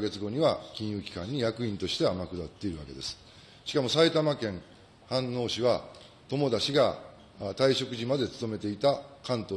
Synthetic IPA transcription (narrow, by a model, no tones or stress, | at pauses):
ɡe̞t͡sɨɡo̞ɲ̟iβakʲĩɰ̃jɯ̟ːkʲi̥kãɲ̟ːijakɯ̟ĩnt̪o̞ɕi̥t̪e̞amakɯ̟d̪at̪ːe̞iɾɯ̟βa̰ke̞d̪e̞sɨ̥ | ɕi̥kamo̞sait̪amakẽ̞ŋ | hãnːo̞ːɕiβa | t̪o̞mo̞d̪aɕiɡa | t̪aiɕo̞kɯ̟ʑimad̪e̞t͡sɨ̥t̪o̞me̞t̪e̞it̪akãnt̪o